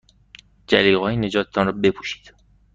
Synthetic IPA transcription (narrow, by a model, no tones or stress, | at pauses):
d͡ʒæliːɣɒːjene̞d͡ʒɒːt̪ʰt̪ʰɒnrɒːbe̞pʰuːʃi̥ːd̪̥